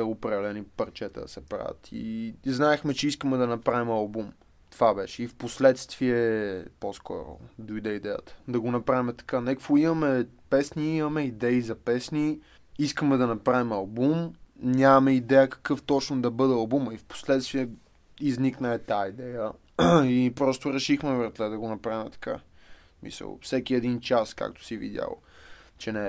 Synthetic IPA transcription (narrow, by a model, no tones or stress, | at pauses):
əopɾɛd̪ɛlɛnipəɾt͡ʃɛt̪ɛ̰d̪ɐ̰sɛpɾa̰və̰t̪ʰḭznaɛxmɛt͡ʃɛiskəmɛd̪ɐnɐpɾavimɐlˠbum | t̪ovabɛʃɛifposlɛt̪st̪viɛposkʰɔ̰ɾʊ̰d̪ojd̪ɛid̪ɛjə̰t̪ə̥d̪ɐɡonɐpɾavimɛt̪ɐ̥kanɛkkoimɐmɛpɛsniimɐmɛid̪ɛizɐpɛsni | iskəmɛd̪ɐnɐpɾavimɐlˠbumnʲamɐmɛid̪ɛjəkɐ̥kɤft̪ɔt͡ʃnod̪ɐbɤd̪ɛɐlˠbuməifpo̥slɛt̪st̪viɛ | izniknəɛt̪aid̪ɛjə | ipɾɔst̪oɾɛʃixmɛvəɾt̪ɛd̪ɐɡonɐpɾavimɛt̪ɐ̥ka̰ | smḭsə̰lˠfsɛkʲiɛd̪int͡ʃaska̰k̚t̪o̥sivḭd̪ʲja̰lˠ | t͡ʃɛnɛ